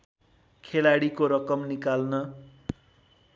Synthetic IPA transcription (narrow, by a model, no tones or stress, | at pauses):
kʰelaɽikoɾʌkʌmnikalnʌ